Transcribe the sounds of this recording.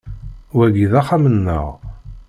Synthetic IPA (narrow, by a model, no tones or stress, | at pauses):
wæɡiðæχamənːə̰ʁ